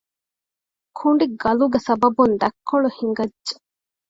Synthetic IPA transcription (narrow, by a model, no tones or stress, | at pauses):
kʰuɳɖiɡɐluɡesɐbɐbund̪ɐkʰːoɭuhiŋɡɐdʒe̥